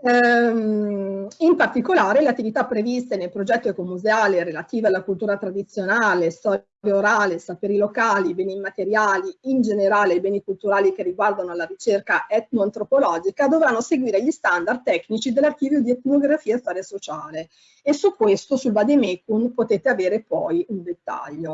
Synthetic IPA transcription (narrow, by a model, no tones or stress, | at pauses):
impart̪ikolaːɾeleat̪ːivit̪apːɾevist̪enelpɾod͡ʒɛt̪ːoekomːuzeaːleɾelat̪iːvealːakult̪uːɾat̪ɾad̪it̪sːjonaːlest̪ɔː | ɾjaoɾaːlesapeːɾilokaːlibɛːnimːat̪eɾjaːliind͡ʒeneɾaːleibɛːnikult̪uɾaːlikerːiɡward̪anoalːaɾit͡ʃerkaʔɛt̪noant̪ɾopolɔːd͡ʒikad̪ovɾanːoseɡwiːɾeʎist̪and̪ard̪̚t̪ːɛknit͡ʃid̪elːark̟iːvjod̪iet̪noɡɾafiːaest̪aːɾjasot͡ʃaːle | esukːwest̪osulvad̪emekunpot̪eːt̪eaveːɾepɔjund̪et̪ːa̰ʎːo